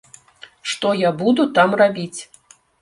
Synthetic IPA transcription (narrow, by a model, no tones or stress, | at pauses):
ʂt̪ɔjabud̪ut̪amrabʲit͡sʲ